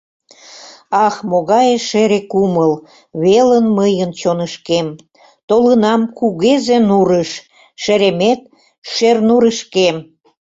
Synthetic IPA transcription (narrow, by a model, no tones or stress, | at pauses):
ɑxmoɣɑjeʃeɾekuməl | βelənməjənt͡ɕonəʃkem | t̪olənɑmkuɣezenuɾəʃ | ʃeɾemet̪̚ | ʃernuɾəʃkem